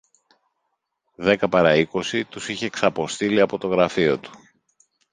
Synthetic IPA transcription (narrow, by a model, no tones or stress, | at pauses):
ðe̞kɐpɐɾɐiko̞sit̪usiçe̞ːksɐpo̞st̪iliɐpo̞t̪o̞ɣɾɐfio̞t̪u̥